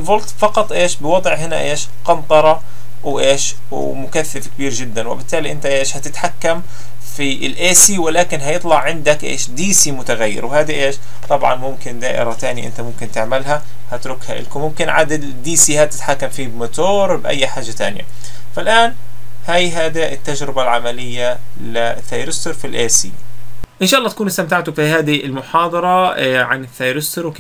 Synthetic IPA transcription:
ɪlvʊlt̪fɑqɑt̪ˤʔeːʃbɪwɑd̪ˤʕɦɪna̰ʔeːʃ | qɑnt̪ˤɑɾˤɑ | wʔeːʃ | mʊkaθːafkɪbiːɾʒɪd̪ːanwɪ̰bɪt̪ːaːliʔɪnt̪aʔeːʃhat̪ɪt̪ħakːam | fiɪlʔeːsiwɪlaːkɪnɦajɨt̪ˤlɑʕʕɪnd̪akʔḛːʃd̪iːsimʊt̪aɣajːɪ̰ɾwhaːd̪iʔeːʃ | t̪ˤɑbʕɑ̰nmʊmkɪnd̪aːʔɪ̰ɾat̪aːniʔɪ̰nt̪amʊmkɪnt̪ɪʕmalɦa | hat̪ɾʊkha̰ʔɪ̰lkumʊmkɪnʕa̰ːd̪ad̪d̪iːsihaːd̪t̪ɪ̥t̪ħakːamfiːbmʊt̪oːɾbʔa̰jːħaːʒːat̪a̰ːnja̰ | falʔaːn | hajɦaːd̪iʔɪt̪ːad͡ʒɾɪbalʕamalɪjːalɪθːaːjɾɪst̪ʊɾfilʔeːsḭːʔɪnʃaːʔɑlːɑːt̪akuːnɪst̪amt̪aʕt̪ʊfihaːd̪iɪlmʊħɑːd̪ˤɑɾˤɑʕanɪθːaːjɾst̪ʊɾwk

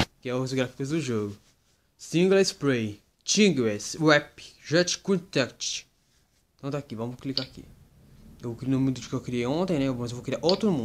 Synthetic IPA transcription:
kɪɛʊzɡɾafi̥kʊzd̪ʊʒoɡʊ | sĩɡlaspɾej | t͡ʃĩɡwɛswɛpɪ̥ʒɛt͡ʃkũt̪ɛkt͡ʃ | t̪ɐ̃w̃t̪aːkivɐ̃mʊklikakḭ | ewvwkɾnomũd̪ʊd͡ʒʊkeewkɾiejõt̪ẽj̃nɛmɐzewvowkɪɾiaʔot̪ɾʊnmũd̪

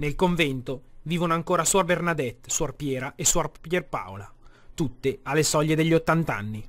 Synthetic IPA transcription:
nelkoɱvɛnt̪oviːvonoaŋkoːɾasuarbernad̪ɛt̪ːsuarpjɛːɾaʔesuarpjerpa̰wla | t̪ut̪ːealːesɔʎːed̪eʎːiot̪ːant̪a̰nːi

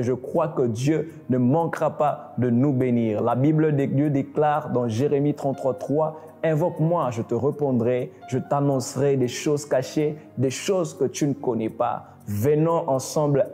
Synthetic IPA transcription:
ʒəkχwakəd̪jønəmɑ̃kʁapa | d̪ənubeniʁlabibld̪ed̪jød̪eklaʁd̪ɑ̃ʒeʁemit̪χɑ̃t̪ːχwat̪χwa | ɛ̃vɔkmwaʒət̪əʁəpɔ̃d̪ʁɛ | ʒət̪anɔ̃sʁɛd̪eʃozkaʃe | d̪eʃozkət̪ynəkɔnɛpa̰ | vənɑ̃ʔɑ̃sɑ̃bl

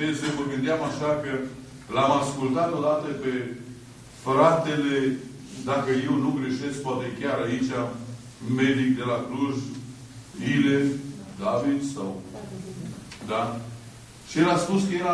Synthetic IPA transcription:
esevəɡɨnd̪eɪamaʃakə | lamaskult̪at̪od̪at̪əpe | fɾat̪ele | d̪akəje̞wnuɡɾe̞ʃe̞sk̚poat̪ekʲaɾait͡ʃa | med̪ik̚d̪e̞lakɾuʒ | ilefd̪avid̪saw | d̪a | ʃielaspuskəjeɾa

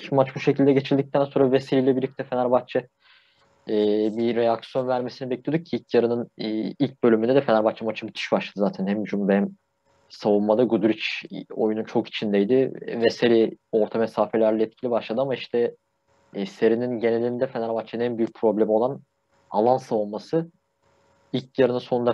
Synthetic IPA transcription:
mat͡ʃbuʃecʰilʲd̪ɛɟe̞t͡ʃʰiɾlʲd̪ic̚t̪ʰænsoɾaveseɾiːlʲɛbiɾlʲic̚t̪ʰɛfenæɾbat͡ʃʰɛ | ɛːbiɾejaksjo̞nvæɾmesinibɛclʲijod̪ucːʰiilʲcjaɾɯnɯnːilʲc̚bølʲymynd̪ɛd̪ɛfeæɾbat͡ʃʰamat͡ʃʰɯbit̪ʰɯ̥ʃbaʃlˠad̪ɯzaːt̪ʰænhæmd͡ʒumd̪hɛm | savumːad̪aɡud̪uɾit͡ʃo̞jununt͡ʃʰo̞ki̥t͡ʃʰind̪ejd̪ɪvɛseɾio̞ɾt̪ʰamesaːfe̞lʲæɾlʲɛɛt̪̚cʰilʲibaʃlˠad̪ɯamaiʃt̪ʰɛ | se̞ɾininɟe̞nelʲiind̪ɛfe̞næɾbat͡ʃʰeɯnænbyjyc̚pʰɾo̞blʲemio̞lˠan | a̰lˠansavunmasɯ | ilʲcjaɾɯnɯnso̞nund̪a

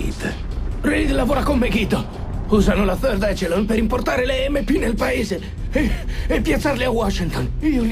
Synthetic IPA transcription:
d̪ | relid̪lavoːɾakommeɡit̪o | uːzanolaførd̪ɛt͡ʃelonpeɾimport̪aːɾeleɛmːepːinelpaeːze | epːjat̪sːarliawɔʃːint̪oniol

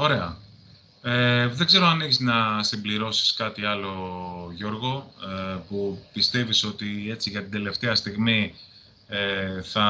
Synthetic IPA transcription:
o̞ɾe̞ɐ | eðeɡze̞ɾoɐneçiznɐsimbliɾo̞si̥skɐt̪iɐlo̞ʝo̞ɾɣo̞pupist̪e̞viso̞t̪ie̞t͡siʝɐt̪ind̪e̞le̞ft̪e̞ɐst̪iɣmi | eθɐ

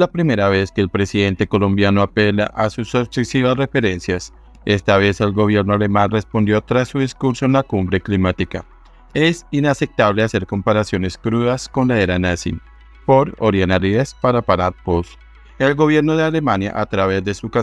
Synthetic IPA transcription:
lapɾime̞ɾaβ̞e̞ske̞ːlpɾe̞siðe̞nt̪e̞ko̞lo̞mbjano̞ape̞la̰ʔasusosesiβasre̞fe̞ɾe̞nsjas | e̞st̪aβe̞se̞lɡo̞β̞je̞ɾnoale̞manre̞spo̞nd̪jo̞t̪ɾasːuðiskuɾso̞enlakumbɾe̞klimat̪ika̰ | e̞sinase̞p̚t̪aβle̞ase̞ɾko̞mpaɾasjo̞ne̞skɾuðasko̞nlaeɾanasḭn | po̞ɾo̰ɾjenaɾiespaɾapaɾat̪̚pos | e̞lɡo̞βje̞ɾnoðe̞ale̞manja̰ʔat̪ɾaβe̞zd̪e̞suka

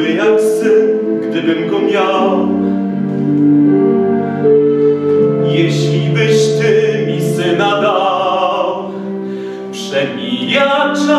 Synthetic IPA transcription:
ɘnaksɪn | ɡd̪ɘbɘmɡɔmʲjaw | jɛɕlʲibɘɕt̪ɪmʲisɪnad̪a | w | pʂɛmʲijat͡ʂa

